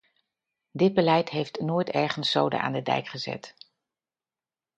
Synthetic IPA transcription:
dɪd̚bəlɛjtɦejftnoːjtɛɹχənsːowdə̰ʔa̰ːndədɛ̰jkχəzɛ̰t

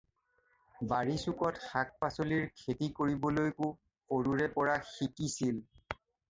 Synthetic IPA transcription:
baɹisukɔtxak̚pasoliɹkʰetikoɹibɔlojkʊ | oɹuɹɛpɔɹaxikisil

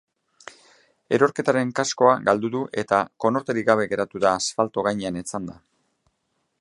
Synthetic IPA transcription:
e̞ɾo̞ɾke̞t̪aɾe̞ŋkasko̞aɡald̪uðuʔe̞t̪ako̞no̞ɾt̪e̞ɾiɡaβ̞e̞ɣe̞ɾat̪uðaːsfalt̪o̞ɣajɲeanet͡sand̪a

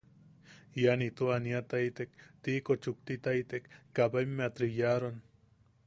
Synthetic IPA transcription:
janit̪oaniat̪ajt̪ek̚t̪ikot͡ʃuk̚t̪it̪ajt̪ekːabajmːeat̪ɾijaɾan

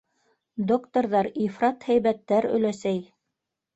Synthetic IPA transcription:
d̪okt̪ŏɾðɑɾifrɑt̪hæjβæt̪ːæɾɵ̰̆læsæj

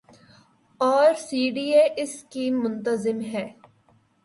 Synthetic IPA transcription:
ɔːɾsiːɖiːeːʔɪskiːmːʊnt̪əzɪmɦɛː

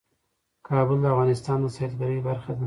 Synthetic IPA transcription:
kʰɑbʊld̪əafɣɑnɪst̪ɑnd̪əsaet̪ɡaɾəjbaɾxad̪a

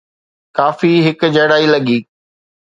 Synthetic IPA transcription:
kaːfiɦɪkʊd͡ʑɐɽaːilɐɠiː

